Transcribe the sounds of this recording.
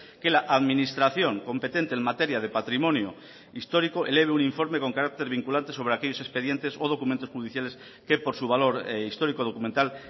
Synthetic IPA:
ke̞laʔaðmĩnist̪ɾaθjo̞ŋko̞mpe̞t̪e̞nt̪eːnmat̪e̞ɾjað̞e̞pat̪ɾimõ̞njo | ist̪o̞ɾikoʔele̞β̞euniɱfo̞ɾme̞ko̞ŋkaɾak̚t̪e̞ɾβ̞iŋkulant̪e̞so̞β̞ɾe̞akeʎo̞se̞spe̞ðje̞nt̪e̞soð̞o̞kument̪o̞sxuðiθjale̞s | ke̞po̞ɾsuβalo̞ɾist̪o̞ɾikoð̞o̞kument̪al

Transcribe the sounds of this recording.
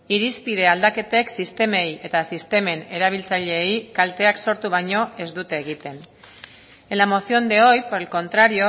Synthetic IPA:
iɾispiðe̞ald̪ake̞t̪eksist̪e̞me̞je̞t̪asist̪e̞me̞ne̞ɾaβ̞ilt͡saʎe̞jkalt̪e̞akso̞ɾt̪uβaɲo̞e̞zd̪ut̪e̞ːɣ̞it̪e̞n | elamo̞sio̞nd̪eo̞jpoelko̞nt̪ɾaɾio

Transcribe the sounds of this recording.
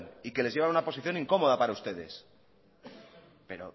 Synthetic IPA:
nike̞le̞zʝe̞βanunapo̞siθjo̞nĩŋko̞mo̞ðapaɾaust̪e̞ðe̞̰s | pe̞ɾo̞̰

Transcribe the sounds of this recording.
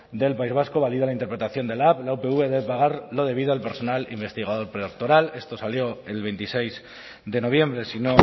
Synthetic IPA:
d̪e̞lpaizβ̞askoβ̞aliðoalaint̪eɾpɾe̞t̪aθjo̞nd̪e̞laplaupe̞uβe̞ðeβepaɣ̞aɾlo̞ð̞e̞β̞iðoalpe̞ɾso̞nalimbe̞st̪iɣað̞o̞ɾpɾek̚t̪o̞ɾale̞st̪o̞saljo̞e̞lβe̞jnt̪isejz | d̪e̞no̞β̞je̞mbɾesino̞

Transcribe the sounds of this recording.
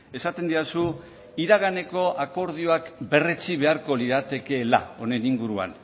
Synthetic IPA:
e̞sat̪e̞nd̪iasu | iɾaɣane̞ko̞ʔako̞ɾð̞ioakbe̞re̞t͡siβe̞aɾko̞liðat̪e̞ke̞la̰o̞ne̞niŋɡuɾua̰n

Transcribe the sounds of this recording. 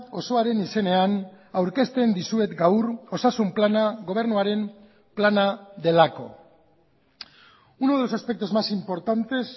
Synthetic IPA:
o̞so̞aɾe̞nise̞ne̞an | awɾke̞st̪e̞nd̪isue̞t̪ɡawro̞sasumplanaɣo̞β̞e̞ɾnuaɾe̞m | planaðe̞lako̞̰ | unoðelo̞saspe̞k̚t̪ozmasimpo̞ɾt̪ant̪e̞s

